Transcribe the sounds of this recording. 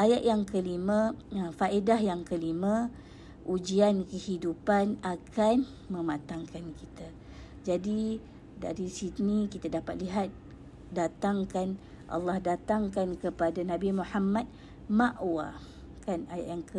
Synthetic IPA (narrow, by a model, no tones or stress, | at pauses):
ʔajaʔjaŋkəlimãfaʔedahjaŋkəlimã | ʔud͡ʒiankəhidupanakʰan | mə̃mat̪aŋkankit̪a | d͡ʒadi | da̰ɾisinikit̪adapat̪̚liɦat̪̚ | dat̪aŋkan | ʔa̰lːɑhdat̪aŋkankəpadanãbimuħamat̪̚ | maʔwa̰ | kanaja̰ʔjaŋkə